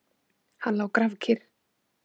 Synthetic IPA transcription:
hanlawkɾavcʰɪɾ̥

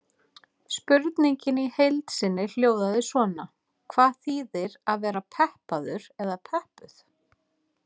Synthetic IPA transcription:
spʏɾt̪niɲcɪnihejlt̪sɪnːɪl̥joːwðaðɪsvɔːna | kʰvaːðθiːðɪɾaðvɛːɾapʰɛhpaðʏɾɛðapʰɛhpʏθ

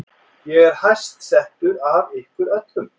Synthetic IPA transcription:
jɛɣɛɾ̥hajst̪sɛht̪ʏɾavɪhkvʏɾœt̪lʏm

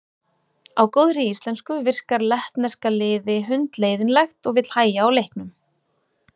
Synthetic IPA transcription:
awkoːwðɾɪist̪lɛnskʏvɪr̥kaɾlɛht̪nɛskalɪːðɪɦʏnt̪leːjðɪnlɛxt̪ɔɣvɪt̪l̥haːjaːwlejhknʏm

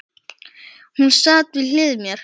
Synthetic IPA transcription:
hunsaːt̪vɪðl̥ɪːðmjɛɾ̥

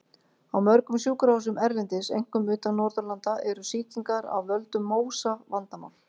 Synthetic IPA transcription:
awmœɾkʏmsjuːkʏɾawsʏmɛɾvɪnt̪ɪsḛjŋ̥kʏmʏːt̪anɔɾðœlant̪aʔɛɾʏsiːciŋkaɾa̰wvœlt̪ʏmːoːwsavant̪ama̰n

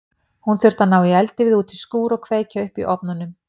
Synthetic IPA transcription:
hunθʏr̥t̪anaːwɪɛlt̪ɪvɪðuːt̪ɪskuːɾɔkʰveːjcaʏhpḭʔɔpnanːʏm

